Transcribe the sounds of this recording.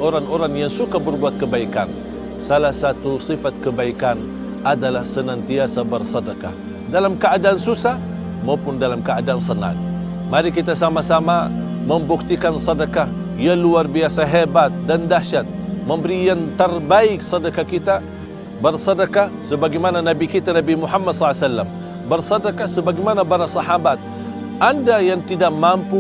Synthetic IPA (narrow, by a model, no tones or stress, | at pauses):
ʔoɾaŋoɾaŋjaŋsukabərbuat̪̚kəbaikan | salahsat̪usifat̪̚kəbaikan | adalahsənant̪iasabərsɑdaka̰h | dalamkəadaːnsusah | maupʊndalamkəadaansəna̰t̪̚ | maɾikit̪asamasamaməmbuk̚t̪ikansɑdaka | jaluarbiasaɦɛbat̪̚dandaʃat̪̚məmbəɾijant̪ərbaɪk̚sɑdakakit̪a | bərsɑdakasəbaɡajmananabikit̪anabimuħamːadsɔlasalːam | bərsɑdakasəbaɡajmanabaɾasɑhabat̪̚ | ʔandajaŋt̪idaʔmampu